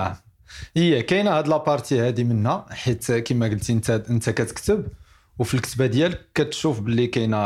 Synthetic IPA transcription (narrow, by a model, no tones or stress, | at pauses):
ʔəjːækæjnæhæd̪əlæpɑɾˤt̪ihæd̪imənhæħit̪kimæɡəlt̪int̪æʔənt̪ækæt̪ə̥kt̪əb | wfilkət̪bæd̪jælkæt̪ʃufbəlːikæjnæ